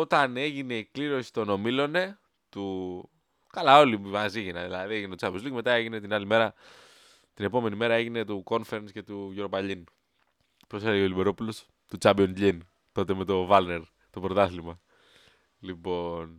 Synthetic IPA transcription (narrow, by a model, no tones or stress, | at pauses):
o̞t̪ɐne̞ʝine̞ikliɾo̞si̥t̪o̞no̞milo̞ne̞ | t̪u | kɐlao̞limɐziʝinɐðilɐðie̞ʝinetot͡sɐmpizlikme̞t̪ɐe̞ʝine̞t̪inɐlime̞ɾɐ | t̪ine̞po̞me̞nime̞ɾɐe̞ʝine̞t̪uko̞nfeɾensce̞t̪uʝoɾopɐʎin | pɾosfeɾeolibe̞ɾo̞pulos | t̪ut͡sɐbionzʎin | t̪o̞t̪e̞me̞t̪o̞vɐlne̞ɾ | t̪o̞pɾot̪ɐθlimɐ | lipo̞n